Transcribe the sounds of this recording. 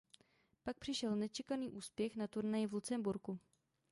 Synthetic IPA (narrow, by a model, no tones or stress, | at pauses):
pak̚pr̝̥ɪʃɛlnɛt͡ʃɛkaniːʔuːspjɛxnat̪uɾnajɪvlut͡sɛmbuɾku